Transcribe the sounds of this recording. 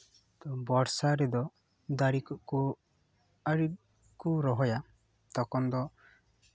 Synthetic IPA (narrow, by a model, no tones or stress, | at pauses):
t̪ɔbɔɾsaɾɛd̪ɔ | d̪aɾikɔʔku | aɾi | kuɾɔɦɔja | t̪ɔkɔnd̪ɔ